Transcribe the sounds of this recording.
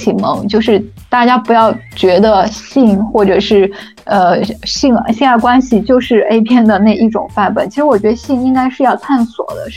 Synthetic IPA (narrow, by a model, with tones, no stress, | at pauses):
t͡ɕʰi˨˩mɤ˧˥ŋt͡ɕjo˥˧ʊʂɻ̩˥˧ | t̪a˥˩t͡ɕja˥pu˧˥jɑ˥˩ʊt͡ɕɥɛ˧˥d̪ə˧ɕi˥˧ŋxwɔ˥˩ʈ͡ʂɤ˨˩ʂɻ̩˥˩ | ə˧ɕi˥˧ŋ˥ɕi˥˧ŋa˥˩kwa˥nɕi˨t͡ɕjo˥˧ʊʂɻ̩˥˧e˥ɪpʰjɛ˥nd̪ə˨na˥˧ɪi˥˩ʈ͡ʂʊ̰˨˩ŋfa˥˩npə̰˧˩nt͡ɕʰi˧˥ʂɻ̩˧˥wɔ˨˩t͡ɕɥɛ˧˥ə˧ɕi˥˩ŋi˥ŋka˥ɪʂɻ̩˥˧jɑ˥˧ʊt̪ʰa˥˩nswɔ̰˨˩d̪ə̰˦